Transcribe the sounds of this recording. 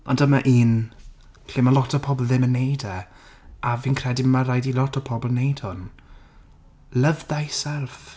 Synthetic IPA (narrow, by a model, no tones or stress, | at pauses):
ɔ̰ndəmaʔiːn | ɬeːmalˠɔtʰɔpʰɔblˠðɪmənːejdɛ | avinkʰrɛdimaɾajdilˠɔtʰɔpʰɔblˠnejd̥hʊn | ləvðajsɛlˠf